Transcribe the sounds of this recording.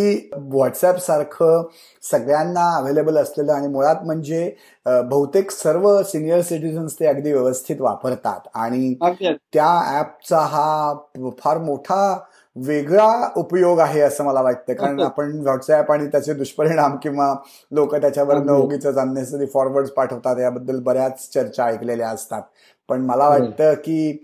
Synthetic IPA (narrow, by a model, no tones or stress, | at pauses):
iːʋɔʈsɛpsaɾkʰə | səɡljanːaəʋelebələsleləːaɽ̃imoɭat̪m̤əɳd͡ze | bəɦut̪eksəɾʋəsinijəɾsiʈid͡zənst̪eəɡd̪iːʋjəʋəst̪ʰit̪ʋa̰pəɾt̪a̰t̪aɽ̃it̪jaæp̚t͡saɦa | fʰaɾmoʈʰa | ʋeɡɭaupjoɡaɦeəsəːməlaʋaʈ̚t̪əːkaɾəɳapəɳʋɔʈsapaɽ̃it̪jat͡sed̪uɕpəɾiɽ̃amkĩw̃ʋa | lokət̪jat͡ɕjaʋəɾənd̪əoɡit͡səd͡zanːasəd̪iːfɔɾʋəɾɖd͡zpaʈʰəʋt̪at̪jabəd̪ʱːəlbəɾjat͡st͡ɕəɾt͡ɕaikleljaəst̪at̪ | pəɳməlaʋaʈt̪əːkiː